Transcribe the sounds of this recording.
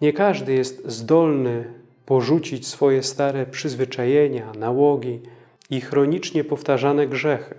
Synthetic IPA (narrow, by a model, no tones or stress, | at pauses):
ɲɛkaʐd̪ɘjɛst̪zd̪ɔlnɘ | pɔʐut͡ɕit͡ɕsfɔjɛst̪aɾɛpʂɘzvɘt͡ʂajɛɲanawɔɡʲi | ixɾɔɲit͡ʂɲɛpɔft̪aʐanɛɡʐɛxɘ̥